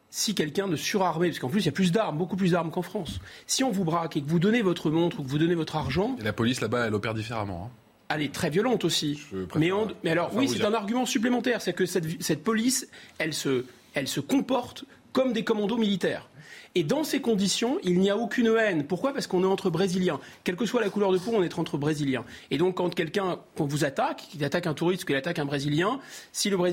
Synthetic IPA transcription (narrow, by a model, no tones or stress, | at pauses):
sikʲɛlkʲɛ̃d̪əsyʁaʁmepasə̥kɑ̃p̬lys̬iljaplys̬d̪aʁmbokup̬lysd̪aʁmkɑ̃fχɑ̃sːiɔ̃vubʁakekəvud̪ɔnevɔt̪χəmɔ̃t̪χukəvud̪ɔnevɔt̪χaʁʒɑ̃elapɔlislabaɛlɔpɛʁd̪ifeʁa̰mɑ̰̃ɛ̰̃ | ɛlɛt̪χɛvjɔlɑ̃t̪osipmɛɑ̃mɛalɔʁwisɛt̪ɛ̃naʁɡʲymɑ̃syp̬lemɑ̃t̪ɛʁsad̪iʁkəsɛt̪sɛt̪̚pɔlisɛlsə | ɛlsəkɔ̃pɔʁt̪ | kɔmd̪ekɔmɑ̃d̪omilit̪ɛ̰ːʁed̪ɑ̃sekɔ̃d̪isjɔ̃ilniaokʲynɛnpuʁkwapaʁsə̥kɔ̃nɛɑ̃t̪χəbʁeziljɛ̃ | kʲɛlkəswalakulœʁd̪əpõɔ̃nɛt̪χɑ̃t̪χəbʁeziljɛ̃ed̪ɔ̃kːɑ̃kʲɛlkʲɛ̃kɔ̃vuzat̪akizat̪akɛ̃t̪uʁist̪kilat̪akɛ̃bʁeziljɛ̃siləbʁe